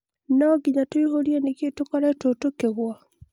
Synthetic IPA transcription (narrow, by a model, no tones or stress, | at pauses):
nɔɡiɲatoiɦoɾieneketokɔɾaetotokeɣwa